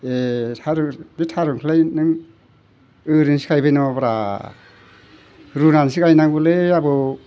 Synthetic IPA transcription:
etʰaɾɯditʰaɾɯŋkʰɯlajnɯŋ | ɯɾinsi̥kʰajbɯjnɔbaɾa | ɾunansikajnaŋbɯleabɯ

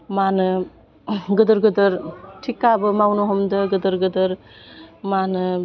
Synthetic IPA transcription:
maːnɨ | ɡəd̪əɾɡəd̪əɾʈʰikːabəmawnoɦomd̪əɡəd̪əɾɡəd̪əɾ | manɨ

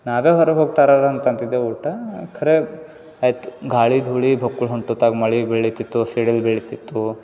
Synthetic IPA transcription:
naːʋeːɦɔɾɐɦoːɡ̚t̪aːɾaɾɐɐnt̪ɐnt̪id̪ːeuːʈɐkʰɐɾe | ajt̪u̥ɡʱaːɭid̪ʱuːɭibʱɐkːuɭɦuɳʈut̪aɡmɐɭibeɭit̪it̪ːuseɽilbeɭit̪it̪ːu

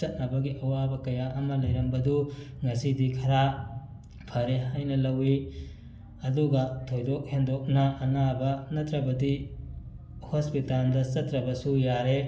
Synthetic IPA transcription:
ɐt̚nɐbɐɡiʔɐwabɐkɐjaʔɐmɐlɐjɾɐmbɐdu | ŋɐsidikʰɐɾa | pʰɐɾeɦajnɐlɐwi | ɐduɡɐtʰojdok̚hendok̚nɐʔːnabɐnɐtɾɐbɐdi | hospitaldɐt͡ʃɐtɾɐbɐsujaɾe

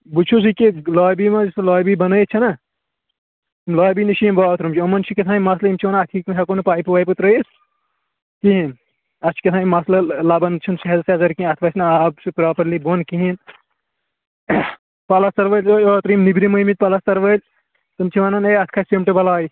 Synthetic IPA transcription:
but͡ʃʰus̬ikilaːjbimɐd͡ʒɐsɐlɔːbibɐnɐjt͡ʃʰɐnɐ | mlaːbiniʃʰimbaːt̪ɾumt͡ʃʰiɐmɐnt͡ʃʰikɐt̪ʰãːimɐslɐimt͡ʃʰiʋaːnɐnɐt̪ʰikmɦɐkonpaːipuʋaːjpɨt̪ɾɐjis | kiɦin | ɐt͡ʃʰi̥kit̪ʰaːimɐslɐlɐbɐnt͡ʃʰunsɐɦɐd̪seɐzɐɾkiɐt̪ʰʋaːsʰʲnɐabsipɾaːpɐɾlibonkiɦin | pɐlɐst̪ɐɾʋəlʲoːt̪ɾimnibɾimɐmit̪̚pɐlɐst̪ɐɾʋəlʲ | t̪ɨmt͡ʃʰiʋanɐneɐt̪ʰkʰasemʈebɐlaːi

